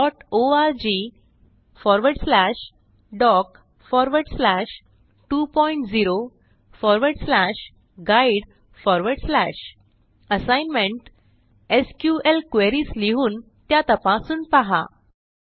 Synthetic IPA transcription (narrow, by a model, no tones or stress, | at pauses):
ɖɔʈoaɾd͡ʑi | fɔɾʋəɾɽslæɕ | ɖɔk | fɔɾʋəɾɽslæɕ | ʈupɔiɳʈd͡ziɾo | fɔɾʋəɾɽslæɕ | ɡaiɽ | fɔɾʋəɾɽslæɕ | əsajnmeɳʈ | eskjuelkʋeɾiːsliɦuːn | t̪jat̪əpãsuːnpaɦa̰